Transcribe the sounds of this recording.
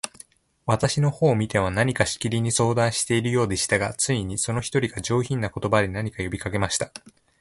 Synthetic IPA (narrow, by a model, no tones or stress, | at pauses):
βat̪aɕino̞ho̞ːmʲit̪e̞βanaɲ̟ikaɕi̥kʲiɾʲiɲ̟iso̞ːd̪ãɰ̃ɕi̥t̪e̞iɾɯ̟jo̞ːd̪e̞ɕi̥t̪aɡat͡sɨiɲ̟iso̞no̞çi̥t̪o̞ɾʲiɡaʑo̞ːçĩnːako̞t̪o̞bad̪ʲenaɲ̟ikajo̞bʲikake̞maɕi̥t̪ḁ